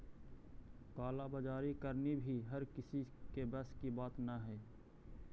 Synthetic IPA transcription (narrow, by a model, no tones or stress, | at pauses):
kaːlabəd͡ʒaːɾikəɾnibʱiɦɐɾkɪsikebəskibaːt̪naɦɛː